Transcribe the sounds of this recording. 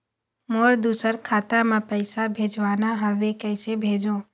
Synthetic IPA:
moːɾd̪uːsəɾkʰaːt̪amãpəɪsabʱeːd͡ʒʋaːnaɦəʋekəɪsebʱeːd͡ʒõː

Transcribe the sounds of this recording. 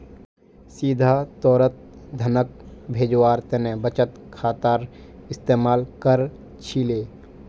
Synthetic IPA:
siːd̪ʱat̪ɔːɾət̪̚d̪ʱɐnək̚bʱeːd͡ʒwaːɾt̪enẽbət͡ʃət̪kʰaːt̪aːɾɪst̪eːmaːlkəɾ | t͡ʃʰileː

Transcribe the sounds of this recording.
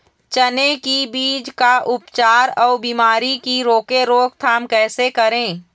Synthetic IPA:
t͡ʃənekibiːd͡ʒkaʔʊpt͡ʃaːɾɔːbiːmaːɾikiɾoːkeɾoːk̚t̪ʰaːmkɛːsekəɾẽː

